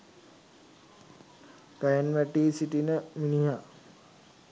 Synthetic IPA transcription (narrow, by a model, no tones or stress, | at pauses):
ɡ̥ajənʋæʈiːsiʈinəminiɦa